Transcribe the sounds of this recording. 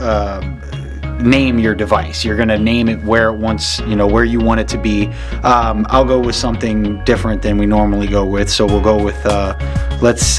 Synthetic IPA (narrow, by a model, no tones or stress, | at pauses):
ʌ | nẽɪ̃mjə˞dɨvaɪsjə˞ɡʌñɨnẽɪ̃mɨt̚wə˞ɨt̚wʌ̃nsjɨnoʊwə˞jɨwɑ̃ɾ̃ɨd̚tʰɨbi | ʔʌ̃ma̰ɪlˠɡoʊwɨð̥sʌ̃mθɪ̃ŋdɪfɹɨ̃nðɨ̃nwinɔɹml̩ˠiɡoʊwɪð̥soʊwilˠɡoʊwɪð̥ʌləts